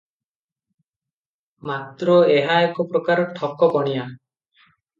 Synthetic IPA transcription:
mat̪ɾɔeɦaekɔpɾɔkaɾɔʈʰɔkɔpɔɽ̃ija

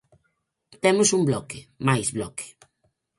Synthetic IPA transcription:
t̪emʊsumblɔkɪmajzβlɔkɪ̥

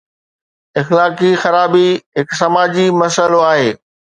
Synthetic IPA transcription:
ɪxlaːkixɐɾaːbiɦɪksɐmaːd͡ʑimɐsəloaːɦeː

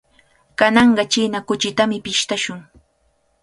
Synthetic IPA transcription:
kanɑɴɢɑt͡ʃinakʊt͡ʃɪt̪amɪpɪʃt̪aʃʊŋ

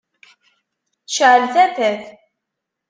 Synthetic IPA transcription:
θʃʕəlθæθæθ

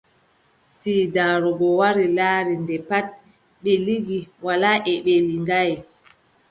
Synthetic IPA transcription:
sidaːɾɔɡɔwaɾilaːɾindɛpat̚ | ɓɛliɡiwalaʔɛɓɛliŋɡaj

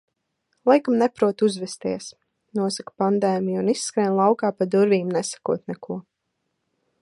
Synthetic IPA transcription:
lˠajkamnɛpɾuɔt̪uzvɛst̪iɛs | nuɔsakpand̪ɛːmijunisːkɾɛːnlˠawkaːpad̪uɾviːmnɛsḁkuɔt̪nɛkuɔ

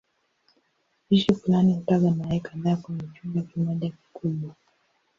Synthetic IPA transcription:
iʃifulanihutaɡanaaɛkaðaːkwɛɲɛt͡ʃuŋɡakimɔʄaki̥kuɓwa

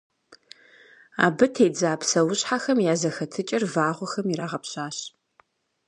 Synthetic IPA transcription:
a̰ːbɨtʰeːjd͡zaːpsɐwʊɕħaxɐmjaːzɐxɐtʰɨt͡ʃʼɪrvaːʁʷʊxɐmiɾaːʁɐpɕaːɕ

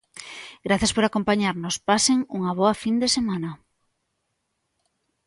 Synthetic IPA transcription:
ɡɾaθjaspoɾakompaɲaɾnospaseŋuŋaβ̞ɔafind̪esemãna

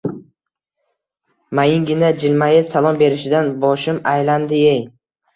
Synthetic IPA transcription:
majɪŋɡʲɪnad͡ʒɪlmajɪpsalˠɒmbe̞ɾɪʃɪd̪anbɒʃɪmajland̪ɪej

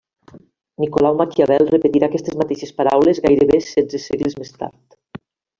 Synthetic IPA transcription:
nikolawmakiaβɛlˠrepet̪iɾaːkɛst̪ezmat̪eʃespaɾa̰wlezɣajɾeβesɛd͡zeseɣlezmest̪a̰ɾt̪

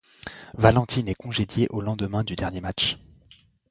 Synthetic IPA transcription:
valɑ̃t̪ʰinɛkɔ̃ʒed̪jeʔolɑ̃d̪əmɛ̃d̪yd̪ɛʁnjemat͡ʃ

